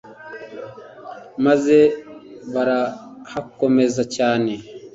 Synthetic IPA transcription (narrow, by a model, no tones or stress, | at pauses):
mazeβaɾahakomezacaːne